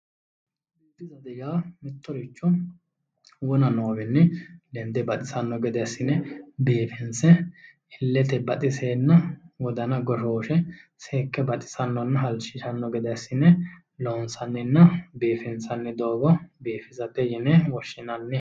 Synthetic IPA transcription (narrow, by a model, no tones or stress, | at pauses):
ud̪ːɪzɐd̪ɛjaːmɪt̪ːɔɾɪt͡ʃːɔ | wɔnɐno̞ːbɛnːɛd̪ɛnd̪ɛbɐt̪ʼɪsɐnːɔɡɛd̪ɛɐsːɪnɛbeːfɪnsɛ | ɪlːɛt̪ɛbɐt̪ʼɪseːnːɐwɔd̪ɐnɐɡɔʃo̞ːʃɛseːkːɛbɐt̪ʼɪ̥sɐnːɔnːɐɦɐlʃɪʃɐnːɔɡɛd̪ɛsːɪnɛ | loːnsɐnːɛnːɐbeːfɪnsɐnːɛd̪o̞ːɡɔbeːfɪzɐb̪ɛjɛnɛwɔʃːɪnɐnːɛ